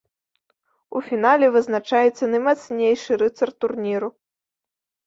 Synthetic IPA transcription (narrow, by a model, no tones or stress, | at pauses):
ufʲinalʲɛvɨznat͡ʂajɛt̪sːɐnɐjmat̪snʲejʂɨɾɨt̪sɐrt̪ːurnʲiɾu